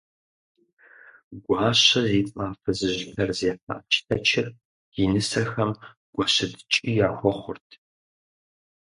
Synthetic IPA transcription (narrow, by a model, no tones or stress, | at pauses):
ɡʷɑːɕɐziːt͡sʼaːfɐzɨʑɡʰɐrzeːfa̰ːt͡ʃʰɪ̥tʰɐt͡ʃʰɪr | jinɨsɐxɐm | ɡ̥ʷɔɕɐdt͡ʃʼijaːxʷɔχʷʊ̰rtʰ